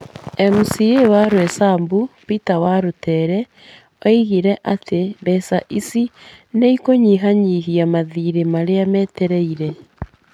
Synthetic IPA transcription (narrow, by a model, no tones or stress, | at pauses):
ɛmusiewaɾwɛsambupitawaɾotɛːɾɛ | ɔiɣiɾɛʔateβɛsaʔisineikoɲiɦaɲiɦiamaðiːɾemaɾeamɛːtɛɾɛiɾɛ